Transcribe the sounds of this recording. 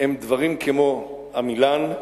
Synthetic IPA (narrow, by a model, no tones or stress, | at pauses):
emd̪vaʁimkʰemo̞ | hamilan